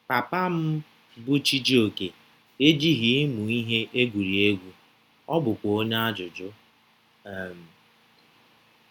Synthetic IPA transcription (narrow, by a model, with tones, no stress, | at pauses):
pa˨pa˦m̩˦ | bʊ˦t͡ʃi˦d͡ʒi˦o˨ke˨ | e˦d͡ʒi˦ɦi˨˦mu˨i˦ɦe˦ʔe˦ɡʷu˨ɾi˨e˦ɡʷu˦ | ɔ˦bʊ˨kʷo˦ɲa˦a˦d͡ʒʊ˨d͡ʒʊ˦˨ | m̩˨